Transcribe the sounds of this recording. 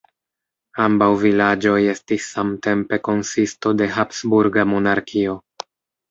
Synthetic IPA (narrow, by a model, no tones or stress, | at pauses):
ambawvilad͡ʒo̞je̞stisːamte̞mpe̞ko̞nsisto̞de̞ɦapsbuɾɡamo̞naɾkʰio̞